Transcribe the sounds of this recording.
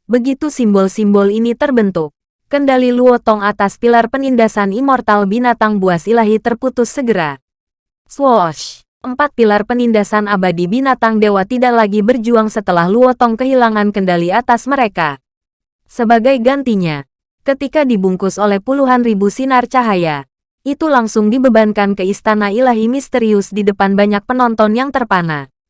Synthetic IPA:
bəɡit̪usimbɔlsimbɔlinit̪ərbənt̪ʊkː | əndaliluɔt̪ɔŋat̪aspilarpənindasanimɔrt̪albinat̪aŋbuasilaɦit̪ərput̪ʊsːəɡəɾa | swɔʃ | ʔəmpat̪̚pilarpənindasanabadibinat̪aŋdewat̪idaʔlaɡibərd͡ʒuaŋsət̪əlahluɔt̪ɔŋkəɦilaŋankəndaliat̪asməɾeka | səbaɡajɡant̪iɲa | kət̪ikadibuŋkʊsolɛhpuluɦanribusinart͡ʃaɦaja | ʔit̪ulaŋsʊŋdibəbankankəist̪anailaɦimist̪əɾiʊsdidəpanbaɲak̚pənɔnt̪ɔnjaŋt̪ərpana

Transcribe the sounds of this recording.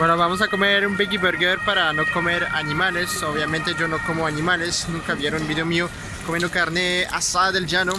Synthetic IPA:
wenoβamos̬akomeɾumbikibeɾɡeɾpaɾanokomeɾa̰nimalesoβjamẽnt̪ed͡ʒonokomoanimalesnũŋkaβjeɾonbiðeomio | komenokaɾnea̰saaðeld͡ʒano

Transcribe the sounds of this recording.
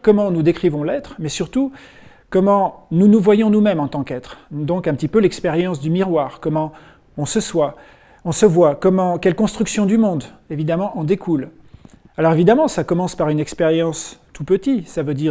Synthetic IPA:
kɔmɑ̃nud̪ekχivɔ̃lɛt̪χmɛsyʁt̪u | kɔmɑ̃nunuvwajɔ̃numɛmɑ̃t̪ɑ̃kɛt̪χd̪ɔ̃kɛ̃pət̪ipølɛkspeʁjɑ̃sd̪ymiʁwaːʁkɔmɑ̃ | ɔ̃səswa | ɔ̃səvwakɔmɑ̃kʲɛlkɔ̃st̪χyksjɔ̃d̪ymɔ̃d̪evid̪amɑ̃ʔɑ̃d̪ekʰul | alɔʁevid̪amɑ̃sakɔmɑ̃spaʁynɛkspeʁjɑ̃st̪ʰupət̪isavød̪iʁ

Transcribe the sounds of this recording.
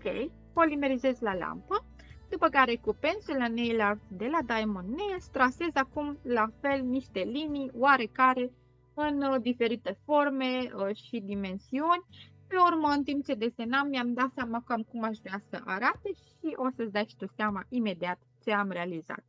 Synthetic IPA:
okʲḛj | polime̞ɾize̞zlala̰mpə | d̪upəkaɾe̞kupe̞nsulanejlavd̪e̞lad̪ajmonːest̪ɾase̞zakumlafe̞lniʃt̪e̞linijwaɾe̞kaɾe̞ | ɨnd̪ife̞ɾit̪e̞fo̞rme̞əʃid̪ime̞nsiunʲ | pe̞urməɨnt̪imp̚t͡ʃe̞d̪e̞se̞namːiamd̪at̪seamakuamkumaʃvɾeasəʔaɾat̪e̞ʃ | iʔo̞səsd̪ajʃi̥t̪ot̪seamaʔime̞d̪iat̪ | t͡ʃe̞amre̞aliza̰t̪̚

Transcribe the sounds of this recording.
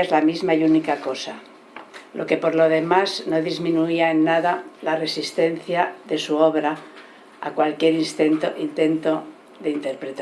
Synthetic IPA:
ezlamizmaiunikako̞sa | lʔo̞ke̞po̞ɾlo̞ð̞e̞mazno̞ðizmĩnuiaenːaðalare̞sist̪e̞n̟θjaðe̞suo̞βɾa̰ː | kwalkje̞ɾist̪eint̪e̞nt̪o̞ | ðe̞int̪e̞ɾpɾet̪

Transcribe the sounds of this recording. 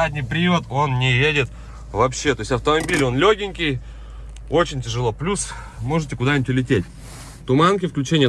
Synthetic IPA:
adʲnʲɪjpɾʲɪjut̪o̞nnʲɪjedʲɪt̪ | vɐpɕːe̞t̪o̞ɪsʲɐft̪əmɐbʲilʲo̞nlʲoɡʲɪnʲkʲɪj | o̞t͡ɕɪnʲtʲɪʐɨlˠo̞plʲus | mo̞ʐɨtʲɪkʊd̪anʲɪtʲlʲɪtʲetʲ | t̪ʊmankʲɪfklʲʉt͡ɕenʲɪjə

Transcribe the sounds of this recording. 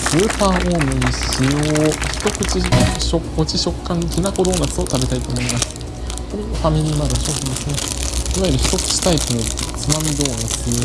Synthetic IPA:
sɨːpaːʔoːmɯ̟ɲ̟iɕijo̞ːçi̥t̪o̞kɯ̟t͡ɕiɕoo̞t͡ɕiɕo̞kːãŋkʲinako̞d̪o̞ːnat͡sɨo̞t̪abe̞t̪ait̪o̞ːmo̞imasɨ̥ | ko̞ɾeɡaɸamʲiɾʲiːmaɡaɕo̞çʲid̪e̞sɨne̞iβaiɾɯ̟çi̥t̪o̞kɯ̟̥t͡ɕi̥t̪aikɯnot͡sɨnamʲid̪o̞ːnat͡sɨ

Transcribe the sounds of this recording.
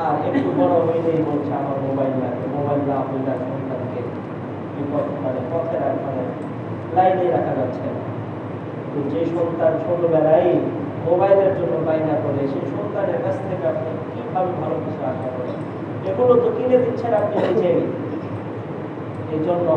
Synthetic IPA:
aekʈ̪ubɔɽoɦojlejbolt͡ɕʰeamaɾmobajlːa̰kemobajlːaapojlaɾʃɔnt̪anke | ikɔt̪ʰkanepɔt̪ʰeɾakkʰane | lajnieɾakʰad͡ʑat͡ɕʰena | t̪ud͡ʑeʃɔnt̪ant͡ɕʰolobɛlaj | mobajleɾd͡ʑonːobajnakoɾeʃejʃont̪aneɾkat͡ɕʰt̪ʰekeapni | kibʱabebʱalokit͡ɕʰuaʃakɔɾḛ | ekulod̪ukined̪itːɕʰenapnioid͡ʑe | ed͡ʑonːo

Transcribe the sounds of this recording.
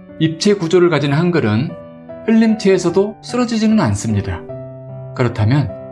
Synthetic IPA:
ip̚t͡ɕʰe̞kud͡ʑoɾɯɭkad͡ʑinɦanɡɯɾɯn | hɯʎːimt͡ɕʰeːsʰʌdos͈ɯɾʌd͡ʑid͡ʑinɯnans͈ɯmɲida | kɯɾʌtʰamjʌn

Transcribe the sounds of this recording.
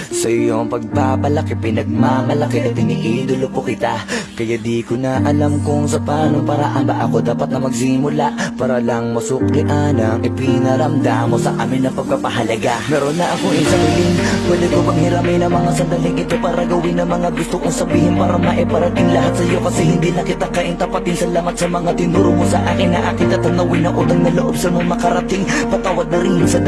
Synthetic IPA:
sɐʔɪjo̞ŋpɐɡ̚papɐlɐkipɪnɐɡ̚mamɐlɐkiʔɐtp̪ɪniʔid̪olokokɪt̪akɐjad̪ikʊnaʔɐlamkoŋsɐpaːnoŋpaːɾaʔɐmb̪aʔɐko̞d̪aːpɐt̪̚nɐmɐɡ̚simʊlaʔpaːɾɐlɐŋmɐsʊk̚lɪʔanɐŋʔɪpɪnɐɾɐmd̪amo̞sɐʔaːmɪnːɐpɐɡ̚kɐpɐɦɐlɐɡamɛːɾonːɐʔɐkoŋɪsɐɾɪlɪŋpwɛːd̪ɪkʊbɐŋhɪɾaːmajnɐŋmɐŋasɐnd̪ɐlɪŋɪt̪opaːɾɐɡɐwɪnːɐŋmɐŋaɡʊst̪oʔʊŋsɐbiːhɪnpaɾɐmaʔɛpaɾɐt̪ɪŋlɐɦat̪̚sɐjo̞kɐsɛhɪnd̪inɐkɪt̪akɐʔɪŋt̪apɐt̪ɪnsɐlaːmɐt̪sɐmɐŋat̪ɪnuɾʊmosɐʔaːkɪnːɐʔakit̪ɐt̪ɐnːɐwijnɐŋʔuːt̪ɐŋnɐloʔo̞bsɐmaŋmɐkɐɾɐt̪ɪŋpɐt̪aːwɐd̪nɐɾɪnsɐ

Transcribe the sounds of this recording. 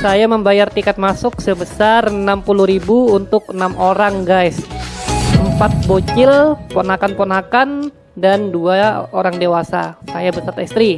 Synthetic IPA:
sajaməmbajart̪ikat̪̚masʊk̚səbəsarənampulʊhɾibuunt̪ʊk̚ənamʔoɾaŋɡajs | əmpat̪̚bot͡ʃɪlponakanponakan | danduaoɾaŋdewasa̰sajabəsərt̪ist̪ɾi

